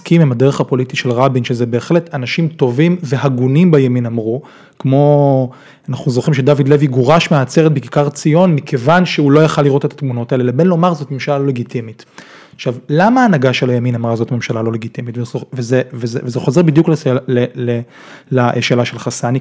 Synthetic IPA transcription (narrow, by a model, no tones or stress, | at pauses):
kimimadeʁeχapo̞litiʃelʁabinʃezebeːχle̞tanaʃimto̞vimveɦaɡunimbajaminamʁu | kmo̞ | anaχnuzoχimʃedavid̪leviɡoʁaʃmeat͡se̞ʁet̚bekikaʁt͡sijo̞nmikʰe̞vanʃeulo̞jaχalːiʁo̞te̞t̪ḁtmuno̞taelelebe̞nlo̞maʁzo̞tmemʃalalo̞le̞ɡitimit | aχʃavlamaːnaɡaʃelajaminamʁazot̪memʃalalo̞le̞ɡitimitveaovezevezvezeχo̞ze̞ʁbid̪juklelele | laʃeːlaʃelχasani